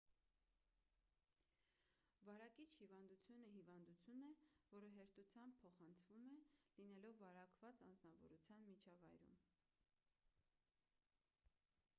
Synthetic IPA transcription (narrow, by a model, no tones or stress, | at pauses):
vɑɾɑkit͡ʃʰhivɑnd̪ut͡sʰjunəɦivɑnd̪ut͡sʰjunɛvɔɾəɦɛɾt̪ut͡sʰjɑmb̚pʰːɔχɑnt͡sʰvumɛlinɛlɔvːɑɾɑkvɑt͡sɑnd͡znɑvɔ̰ɾut͡sʰjɑnmit͡ʃʰɑvɑjɾṵm